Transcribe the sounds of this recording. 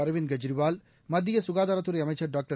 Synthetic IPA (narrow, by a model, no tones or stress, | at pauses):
ɐɾʋɪnɡɐd͡ʒɾɪʋaːl | mɐd̪ːɪjɐsʊɣaːðaːɾɐt̪ːɯɾɐɪɐmɐɪt͡ʃːɐɾɖaːk̚ʈɐ